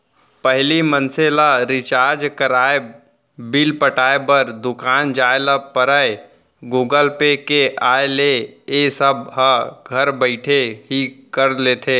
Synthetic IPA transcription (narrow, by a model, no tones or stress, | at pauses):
pəɦlimə̃nselaɾɪt͡ʃaːɾd͡ʒkəɾaːe | bilpəʈaːebəɾd̪ʊkaːnd͡ʒaːelapəɾae | ɡuːɡəlpekeʔaːeleesəb̚ɦəɡʱɐɾbəɪʈʰeɦikəɾleːt̪ʰeː